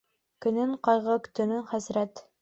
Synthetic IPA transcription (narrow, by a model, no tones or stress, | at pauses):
kɵ̆nɘɴqɑjʁɤkɵ̥̆t̪ɵ̆nɵɴχæzɾæt̪